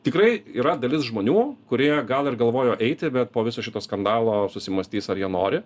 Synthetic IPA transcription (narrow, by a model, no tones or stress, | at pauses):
t̪ʲɪkrɐɪiːɾɐd̪ɐlʲɪsʒmoːnʲuːkʊɾʲiɛɡɐlˠɪrɡɐlˠʋoːjoːʔɛɪt̪ʲɪbʲɛt̪̚poːʋʲɪsoːʃʲɪt̪oːskɐnd̪ɑːlˠoːsʊsʲɪmɐsʲt̪ʲiːsɐɾjiɛnoːɾʲɪ